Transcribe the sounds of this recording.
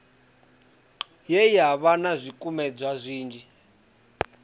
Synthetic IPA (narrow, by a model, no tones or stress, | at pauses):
jɛjaβanazʷikʼumɛd͡zʷwazʷiːnd͡ʒi